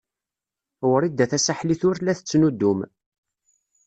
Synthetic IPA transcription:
wəɾid̪æθæsaħliθʊɾlæθət͡sːnud̪ːum

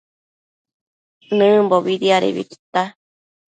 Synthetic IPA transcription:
nɨ̃mboβiɾiaɾḛβḭki̥t̪a

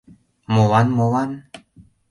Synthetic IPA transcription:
molɑnmolɑn

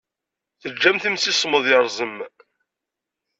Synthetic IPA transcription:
θəd͡ʒːæmθəmsisˤməðˤjɑɾˤzˤəm

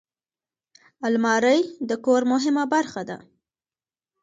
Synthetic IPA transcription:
almɑɾəjd̪əkoɾmʊɦɪmabaɾxad̪a̰

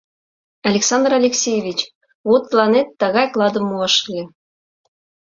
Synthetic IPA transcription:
ɑlʲeksɑnd̪rɑlʲeksʲejevʲit͡ɕ | βot̪ːlˠɑnet̪ːɑɣɑjklˠɑd̪ɤ̆mːuɑʃɤ̆lʲĕ

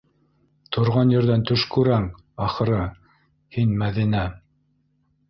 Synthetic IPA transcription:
t̪ʰŏɾʁɑnjɘ̆ɾðænt̪ɵʃkʉɾæŋ | ɑχɤ̆ɾɤ | hinmæðinæ

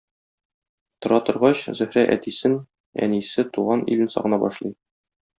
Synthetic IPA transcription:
t̪ŏɾɑt̪ŏɾʁɑɕzɵ̆hɾæʔæ̰t̪isɘn | æ̰nisɘt̪uʁɑnḭlɘnsɒ̰ʁɤ̆nɑbɒʃlˠɤj

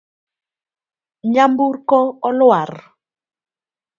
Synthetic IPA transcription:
ɲambuɾkɔɔlʊar

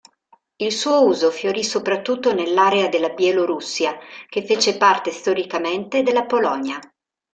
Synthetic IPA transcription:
ilsuːouːzofjoɾisopɾat̪ːut̪ːonelːaːɾead̪elːabjeloɾusːjak̟efːeːt͡ʃepart̪est̪oɾikament̪ed̪elːapolɔnja

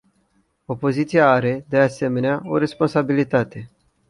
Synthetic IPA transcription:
o̞po̞zit̪sijaaɾe̞d̪ease̞me̞neao̞̰ɾe̞spo̞nsabilit̪at̪e̞

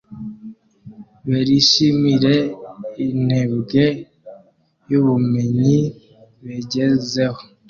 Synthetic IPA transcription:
βeɾiʃimiɾeineβɡe | juβumeɲi | βeɟezeho̥

